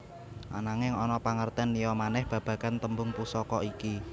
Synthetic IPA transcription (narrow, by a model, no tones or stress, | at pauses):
ʔa̰naŋɪŋɔnɔpaŋərt̪ɛnːijɔmanɛhb̥ä̤b̥ä̤kant̪əmbʊŋpusɔkɔiki